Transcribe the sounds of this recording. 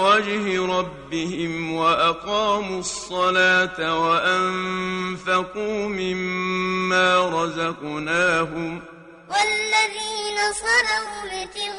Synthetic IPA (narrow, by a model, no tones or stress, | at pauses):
wad͡ʒhɪɾˤɑbːɪhɪmwaʔaqɑːmuɑsˤːɑlaːt̪waʔanfaquːmɪmː | aːɾˤɑzɑqnaːɦʊm | walːaðiːnasˤɑɾawbɪt̪ɪɣ